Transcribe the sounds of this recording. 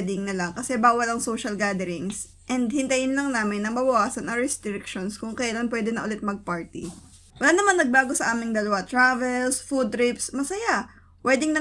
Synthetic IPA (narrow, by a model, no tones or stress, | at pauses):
d̪ɪŋnɐlaŋkɐsɛbaːwɐlɐŋsoːʃɐlɡaːd̪ɛɾɪŋs | ʔɛnd̪hɪnt̪ɐjɪnlɐŋnaːmɪnːɐŋmɐbɐwaːsɐnɐŋɾɛst̪ɾɪkʃonskʊŋkɐjlanpwɛːd̪ɛnɐʔʊlɪt̪̚mɐɡ̚paɹt̪ɪ | wɐlaːnɐmanːɐɡ̚baːɡo̞sɐʔaːmɪŋd̪ɐlɐwat̪ɾaːvɛlsfud̪̚t̪ɾɪpsmɐsɐja | pwɛːd̪ɪŋnɐ